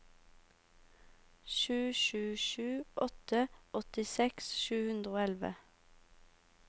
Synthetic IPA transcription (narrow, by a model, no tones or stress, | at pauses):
ʃʉːʃʉːʃʉːʔɔt̪əʔɔt̪ɪsɛksʃʉːhʉnd̪ʁəoːɛlʋə̰